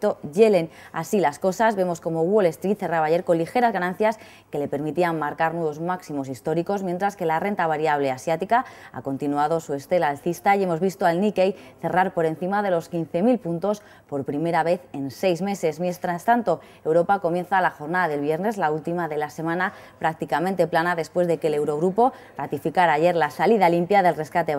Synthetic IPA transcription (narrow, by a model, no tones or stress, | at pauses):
t̪o̞ʝe̞le̞na̰silasko̞sazβe̞mo̞sko̞mo̞ɣwole̞st̪ɾit̪θe̞raβaːʝe̞ɾko̞nlixe̞ɾazɣanãnθjas | ke̞le̞pe̞ɾmit̪iammaɾkaɾnwe̞β̞ozmaksimo̞sist̪o̞ɾiko̞zmjent̪ɾaske̞lare̞nt̪aβaɾjaβ̞le̞asjat̪ikaa̰ko̞nt̪inuaðo̞sue̞st̪e̞laːlθist̪aje̞mo̞zβist̪o̞alnike̞jθe̞raɾpo̞ɾe̞nθimaðe̞lo̞skin̟θe̞milpunt̪o̞s | po̞ɾpɾime̞ɾaβe̞θe̞nse̞jzme̞se̞zmjent̪ɾast̪ant̪o̞ | ewɾo̞pako̞mje̞nθalaxo̞ɾnaðaðe̞lβje̞ɾne̞zlault̪imaðe̞lase̞mãna | pɾak̚t̪ikamẽnt̪e̞planaðe̞spwe̞zðe̞ke̞le̞wɾo̞ɣ̞ɾupo̞ | rat̪ifikaɾaːʝe̞ɾlasaliðalimpjaðe̞lre̞skat̪e̞